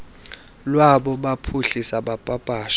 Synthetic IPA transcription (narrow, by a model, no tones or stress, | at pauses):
lwaɓɔɓapʰuɬisaɓapʼapʼaːʃ